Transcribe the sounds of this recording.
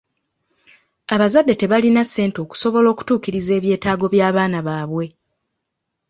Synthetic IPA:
aβazadːe̞te̞βalinasːe̞ːnto̞ːku̥so̞βo̞lo̞ːku̥tuːkiɾize̞ːβje̞ːtaːɡo̞βjaːβaːnaβaːβwe̞

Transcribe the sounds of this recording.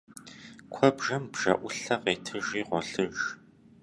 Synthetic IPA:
kʷʰɔbʒɐmbʒɐ̰ʔʷʊɬɐqeːtʰɨʒiːʁʷɔɬɨʒ

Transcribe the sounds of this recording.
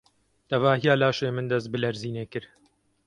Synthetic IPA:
t̪ʰɐvaːhijaːlaːʃeːmɨnd̪ɐst̪̚bɨlɐɾziːneːkɨɾ

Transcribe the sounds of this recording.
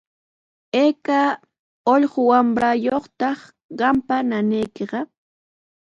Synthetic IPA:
eːka | oʎɢʊwambɾajoχt̪ɑχ | ɢɑmpananejkeɢɑ

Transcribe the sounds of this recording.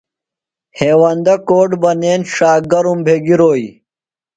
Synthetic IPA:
heːwɐnd̪ɐkoːʈbɐneːnʂaːɡɐɾumbʱeːɡiɾoːi

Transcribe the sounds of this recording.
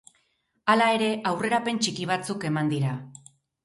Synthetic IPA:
alae̞ɾe̞awre̞ɾape̞nt͡ʃikiβ̞at͡suke̞mand̪iɾa

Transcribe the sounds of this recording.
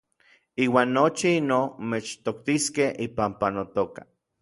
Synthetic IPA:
iːwaːnːot͡ʃiinomet͡ʃt̪ok̚t̪iskehʔipampanot̪okḁ̰

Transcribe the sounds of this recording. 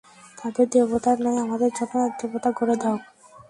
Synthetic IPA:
t̪ad̪eɾd̪ebot̪aɾnaeamad̪eɾd͡ʑɔnonad̪ebot̪aɡoɾed̪aok

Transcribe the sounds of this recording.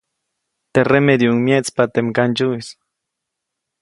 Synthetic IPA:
t̪eremed̪juŋmjet͡spat̪emkand͡ʒuis

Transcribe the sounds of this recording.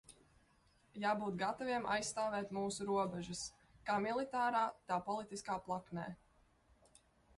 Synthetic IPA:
jaːbuːt̪̚ɡat̪ɔvʲiɛma̰jsːt̪aːvɛːt̪muːsuɾuɔbɛʒɐs | kaːmilˠit̪aːɾaːt̪aːpɔlˠit̪iskaːplˠaknɛ̰ː

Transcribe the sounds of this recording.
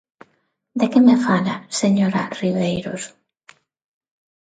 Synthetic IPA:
d̪ekemefalaseɲoɾariβejɾos

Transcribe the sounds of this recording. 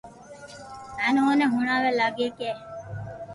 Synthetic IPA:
ænoːneɦuɳaːʋelaɡeːkeː

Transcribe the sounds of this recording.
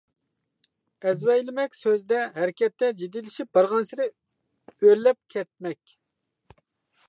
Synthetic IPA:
ɛzwɛjlɪmɛkʲsøzd̪ɛɦæɾɪkʲɛt̪ʰːɛd͡ʒid̪ilɪʃip̚bɑɾʁɑnsɪɾɪ | øɾlɛp̚kʲʰɛt̪̚mɛkʲ

